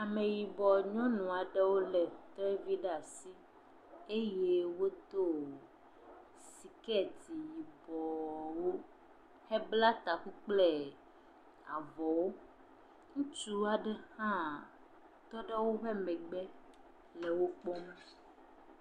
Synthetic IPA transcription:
a˨mẽ˨ji˨bɔ˨ɲɔ̃˦nũ˨a˨ɖɛ˦wo˦lɛ˨t̪ɾɛ˦vi˦ɖa˨si˦ | e˦je˦wo˦d̪o˦˨ | si˨kɛ˦di˨ji˨bɔ˨wo˦ | hɛ˦bla˦t̪a˨ku˦k͡plɛ˦ | a˨vɔ˨wo˦ | ŋũ˦t͡ʃu˦a˨ɖɛ˦hã˦ | t̪ɔ˦ɖɛ˦wo˦ɸɛ˦mɛ̃˨ɡ͡bɛ˦ | lɛ˨wo˦k͡pɔ˦mɛ˦

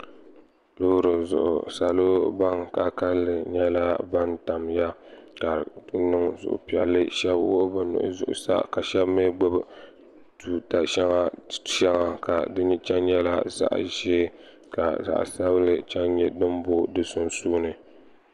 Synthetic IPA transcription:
lo˦ɾɨ˨zʊ̰˨ʔʊ̰˨sa˨lo˦ba˦ŋka˨ka˦lːɨ˨ɲɛ˦la˦ba˦nta˨mja˦ | ka˨˦nɨ˦ŋzʊ̰˨ʔʊ̰˨pi˨ɛ˨lːɨ˦ʃɛ˦bwo˦bɨ˦nʊ̰˨ʔʊ̰˦zʊ̰˨ʔʊ̰˨sa̰˦ka˨ʃɛ˦bme˦ɡ͡bʊ˦b | tu˨ta˨ʃɛ˦ŋa˦ʃɛ˦ŋa˨ka˨dɨ˦ɲi˦t͡ʃɛ˦nɲɛ˦la̰˦za̰˨ʔʒeː˦ | ka˨za̰˨ʔsa˦βlɨ˦t͡ʃɛ˦nɲɛ˦dɨ˦m˦bo˦dɨ˦sʊ˦nsuː˦nɨ˨

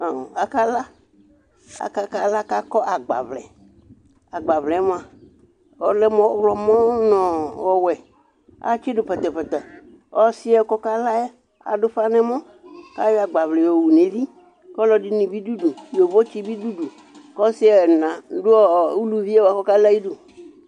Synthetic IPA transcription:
a˨a˨ka˦la˦ | a̰˨ka˦ka˦la˦ka˦kɔ˦ʔa˨ɡ͡ba̰˨vlɛ̰˨ | a˨ɡ͡ba˨vlɛ˨˦mɔ̃˨a˨ | ɔ˦lɛ˦mɔ̃˦wlɔ˨mɔ̃˦nɔ̃˨ɔ˨wɛ˨ | a̰˦t͡ʃi˦ɖʊ˨pɛ˨t̪ɛ˨pɛ˨t̪ɛ˨ | ɔ˦sɪ˦ɛ˦˨kɔ˦ka˦la˦jɛ˦ | a̰˨dʊ˦fa˦nɛ̃˦mɔ̃˦ | ka˦jɔ˦a˨ɡ͡ba˨vlɛ˨jɔ˨wu˨nẽ˨˦vi˦ | kɔ˦lɔ˨di˦nĩ˨bi˦du˦du˨jo˨vɔ˦t͡ʃi˦bi˦du˦du˨ | kɔ˦sɪ˦ɛ˨nã˨dʊ˦ɔ˦˨u˦lu˦vi˦ɛ˦wa˨kɔ˦ka˦la˦ji˦du˨

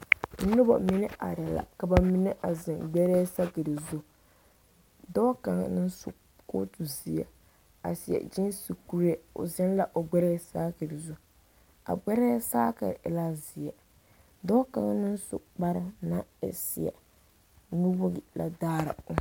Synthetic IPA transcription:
nʊ˦ba̰˨mɪ˦nɨ˦a̰˨ɾɛ˨la̰˨ka˨ba˨mi˦nɨ˦ʔa˨zɪ˨ŋɡ͡bɛ˦ɾe˦sa˦kɨ˨dɨ˨zʊ˦ | dɔː˦ka˨ŋ̰˨nɨ˦n˦sṵ˨ | ko̰˦tu˨zi˨jɛ̰˨ | a̰˨si˨ɛ̰˨d͡ʒɪ˦nsi˨ku˦ɾɛ˨ʊ̰˨zɛ˦n˦la˨ʔo˨ɡ͡bɛ˦ɾsaː˦kɨ˨ɾɨ˨zʊ˦ | a̰˨ɡ͡bɛ˦ɾɛ˦saː˦ka̰˨ɾla˦zi˨jɛ˨ | dɔː˦ka˨ŋ˦nɨ˦n˦sʊ̰˨ʔk͡pa˦ɾɨ˨na˦ɪ̰˨si˨jɛ̰˨ | nu˦bʊ˦ɡi˨la̰˨daː˦ɾa̰˨ʊ˦

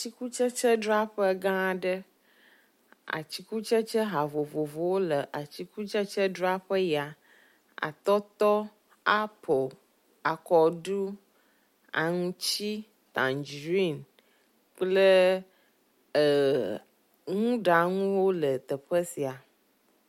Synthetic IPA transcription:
a˨t͡ɕi˦ku˦t͡ʃə˦t͡ʃə˦ɖɾa˦ɸə˦ɡã˦˨ɖə˦ | a̰˨t͡ɕi˦ku˦t͡ʃə˦t͡ʃə˦ɦa˨vo˨vo˨vo˨wo˦lə˨ʔa˨t͡ɕi˦ku˦t͡ʃə˦t͡ʃə˦ɖɾa˦ɸə˦ja˨ | a̰˨t̪ɔ˦t̪ɔ˦ | a˦pʰo˨l | a˨kɔ˨ɖu˦ | a̰˨ŋũ˦t͡ɕi˦ | t̪ã˨nd͡ʒɾi˦˨n | k͡plə˦˨ | ŋũ˦ɖa˨ŋũ˦wo˦lə˨t̪ə˨ɸə˦si˨a˨

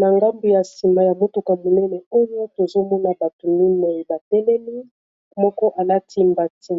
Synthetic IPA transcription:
na˨ŋɡa˦mbu˨ja˨si˨ma˨ja˨mo˦tu˨ka˨mo˨nɛ˦nɛ˨o˦jo˦to˨zo˦mɔ˦na˨ba˨to˨mi˦ne˨ba˨tɛ˦lɛ˦li˦ | mɔ˦kɔ˦ʔa˨la˦tʰi˦mba˨tʰi˦

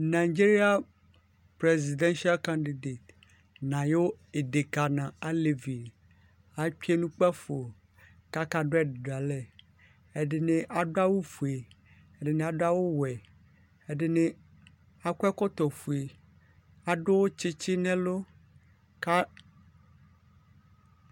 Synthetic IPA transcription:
na˨i˨d͡ʒi˦ɾi˦a˦ | pɾe˨zi˨d̪ɛ̃˦nʃi˦a˦lkã˦ndi˨de˨t̪ | nã˨jo˦e˨de˨ka˨nã˨a˦le˨vi˨ | a˦k͡pi˦e˦nũ˦k͡pɛ˦fo˨ | ka˦ka˦ɖo˦ɛ˦dɖa˨lɛ˨ | e˦ɖe˨nẽ˦ʔa˨ɖo˦a˦wo˦fu˨e˨ | e˦ɖe˦nẽ˦a˨ɖo˦a˦wo˦wɛ˨ | e˦ɖe˦nẽ˦ | a˦ku˦ɛ˦kɔ˦t̪ɔ˨fu˨e˨ | a˨ɖo˦wo˦t͡ʃe˦t͡ʃe˦nɛ̃˦lo˦ | ka˦

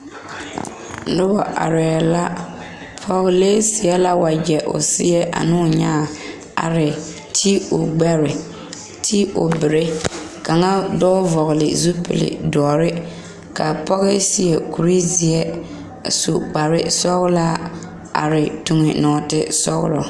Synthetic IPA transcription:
dɪ˦wa˨ʔa̰˨ɾɛː˨la˦ | pʰɔ˦ɣleː˦sɪ˨ɛ˦la˦wa˨d͡ʒɛ˨ʔʊ̰˨sɪ˦ɛ˦ʔa̰˨nɪ˦ʊ˨ɲaː˦˨ | a̰˨ɾɪ˨ | tʰi˦ʊ˨ɡ͡bɛ˦ɾɪ˨ | tʰi˦ʊ̰˨bɪ˨ɾe˦ka˨ŋa˦dɔː˦vɔ˨ɣɪ˨lɪ̰˨zu˦pɪ̰˨lɪ̰˨dɔː˨ɾɪ˦ | ka˨pɔ˦ɣɪ˦si˨jɛ˨ku˨ɾi˦zi˨ɛ˦ | sṵ˨k͡pa˨ɾɪ˦sɔ˦ɣla˦ | a̰˨ɾɪ˨tu˨ŋɪ˨nɔː˨tɪ˦sɔ˦ɣ̰lɔ̰˨

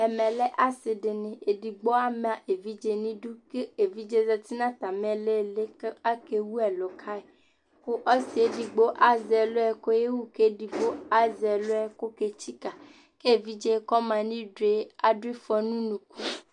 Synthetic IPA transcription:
ɛ˨mɛ̃˨lɛ˦ʔa˦se˨de˨nẽ˨e˨di˨ɡ͡bo˦a˦m˦˨a˨ʔe˨vi˦d͡ʒe˦nĩ˦du˦ke˦e˨vi˦d͡ʒe˦zɛ˧t̪i˦nã˦t̪a˨mɛ̃˦le˦˨le˦ka˦ke˧wu˦ɛ˨lo˨kʰa˦ɛ˨ | ko˦ʔɔ˦si˨e˦di˨ɡ͡bo˦ʔa˦zɛ˨lo˦ɛ˦ko˦je˦wu˦ke˦di˨ɡ͡bo˦a˦zɛ˨lo˦ɛ˦ko˦ke˦˧t͡ʃi˦ka˨ | ke˦e˨vi˦d͡ʒe˦kɔ˦mã˧nĩ˦dɾe˦a˨di˦fɔ˦nũ˦nũ˨ku˦

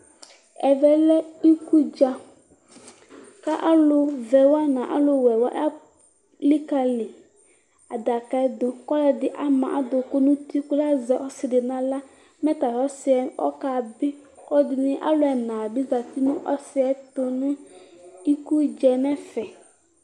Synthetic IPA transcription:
ɛ˨vɛ˨lɛ˦i˦ku˦d͡ʒa˨ | ka˦ʔa˦lʊ˦vɛ˨wa˦nã˨ʔa̰˦lʊ˨wɛ˨wa̰˦ʔa˦ | li˦ka˨lɪ˨ | a˨da˨ka˦d̪ʊ˨kɔ˦la˨dɪ˦ʔa˦mã̰˨ʔa˦dʊ˨kʊ˦nʊ̃˦ti˦kʊ˦la˦zɛ˨ʔɔ˦sɪ˨dɪ˨nã˨la˦ | mɛ˦ta˨ɾɔ˦sɪ˦ɛ˨ɔ̰˦ka˨bɪ˦kɔ˦dɪ˨nɪ̃˦ʔa̰˦lʊ˦ɛ˨nã˨bɪ˦za˨ti˦nʊ̃˦ʔɔ˦sɪ˦ɛ˦tʊ˦nʊ̃˦ | i˦ku˦d͡ʒɛ˨nɛ˦fɛ˨

